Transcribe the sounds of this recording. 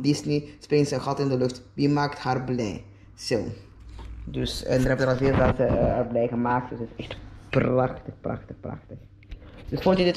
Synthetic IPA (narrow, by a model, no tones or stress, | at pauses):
dɪsnisprɪŋtsənxɑtɪndəlɵxtʋimaːkthaːrblɛ̰j | sɪl | døsə̰ndəɾɦɛpdəɾɑlˠɦɪːlvatsəəblɛjɣəmaːktəsətɪsɛxtprɑxtəxprɑ̰xtəxprɑ̰xtəx | d̥øsfɔntydɪt